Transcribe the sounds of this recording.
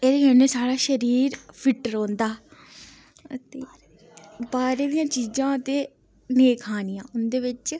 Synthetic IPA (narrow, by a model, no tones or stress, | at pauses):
eːɾɛneːsaːɽaːʃəɾiːɾpʰɪʈɾõːnd̪aː | t̪eː | baːɾeːd̪ijãːt͡ʃiːzãːət̪eː | neːkʰaːnɪjãːʊnd̪eːʋɪt͡ʃ